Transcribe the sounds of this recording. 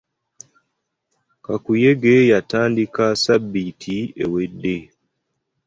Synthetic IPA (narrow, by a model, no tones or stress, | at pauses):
kakujeɡejataːndikasabːitʰiḛwedːe